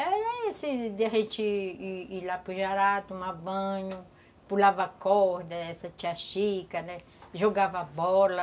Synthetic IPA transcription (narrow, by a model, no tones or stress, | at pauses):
ɛɾɐesid̪eaɦẽt͡ʃiiilapuʒaɾat̪ʊũmɐbɐ̃ɲʊ | pulavɐkɔhd̪ɐɛsɐt͡ʃiaʃikɐnɛ | ʒoɡavɐbɔlɐ